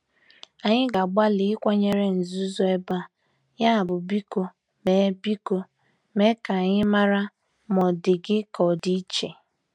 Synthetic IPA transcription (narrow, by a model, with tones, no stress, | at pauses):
a˨ɲɪ˦ɡa˨ɡ͡ba˦lɪ˨ɪ˦kʷa˦ɲe˦ɾe˦n̩˨zu˦zɔ˦e˦ba˦˨ | ja˦˨bʊ˨bi˦ko˦ | me˨˦bi˦ko˦ | me˦ka˨a˨ɲɪ˦ma˦ɾa˦ | mɔ˨dɪ˨ɡɪ˦kɔ˨di˦i˦t͡ʃe˨